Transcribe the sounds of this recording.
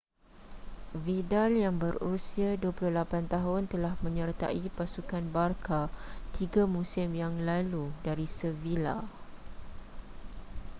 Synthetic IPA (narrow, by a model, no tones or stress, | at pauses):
vidaljaŋbərusiaduapuluhlapant̪aɦʊnt̪əlahmə̃ɲərt̪a̰ʔipasukanbarkat̪ʰiɡamũsɪmjaŋlaludaɾisəvila̰